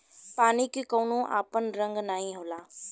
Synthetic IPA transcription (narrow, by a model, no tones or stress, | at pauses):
paːnikikoːnũʔa̰ːpənɾə̃ŋɡnaːɦĩɦoːlaː